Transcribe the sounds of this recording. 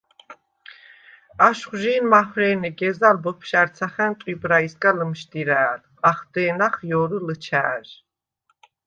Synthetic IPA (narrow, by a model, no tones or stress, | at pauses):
aʃχʒiːnmaχɾɛːniɡɛzalbəpʰʃæɾt̪sʰaχɛnt̪ʼwibɾaisɡʼaləmʃd̪iɾæːl | aχd̪ɛːnaχjɔːɾələt͡ʃʰæːʒ